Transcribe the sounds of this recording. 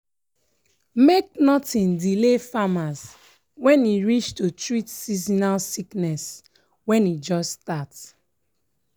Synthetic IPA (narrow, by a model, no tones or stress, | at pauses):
mek̚nɔtĩndilefamas | wɛ̃niɹit͡ʃtutɹitsizinasiknɛs | wɛ̃nid͡ʒɔstat